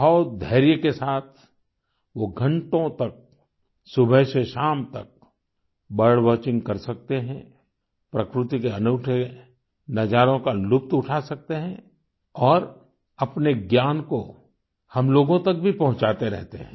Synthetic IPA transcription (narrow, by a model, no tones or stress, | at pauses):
ɦɔːt̪̚d̪ʱɐɪɾjəkesaːt̪ʰ | ʋoɡʱɐ̃ɳʈõt̪ɐk̚ | sʊbʱəɪʃeʃaːmt̪ɐk̚ | bɐɽʋɔːt͡ʃɪ̃ŋɡkɐɾsɐk̚t̪eɦɛ̃ | pɾɐkɾɪt̪ikeɐnʊːʈʰe | nɐd͡ʒaːɾõkalʊp̚t̪ʊʈʰasɐk̚t̪eɦɛ̃ | ɔːɾ | ɐpneɡjaːnko | hɐmloːɡõt̪ɐk̚bʱipɐɦʊ̃t͡ʃaːt̪eɾɛ̰ɦt̪ḛɦɛ̃ː